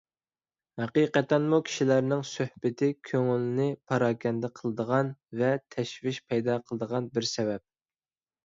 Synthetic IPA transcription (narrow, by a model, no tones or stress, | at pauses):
hæqijqɛt̪ːɛnmukʲʰi̥ʃilæɾnɪŋsøhbɪt̪ʰɪkʲʰøŋylnɪpʰɑɾɑːkʲʰɛnd̪ɛqʰəlˠəd̪əʁɑnvɛt̪ʰɛʃvɪʃpʰɛjd̪ɑqʰəlˠəd̪əʁɑnbɪɾsɛvɛp̚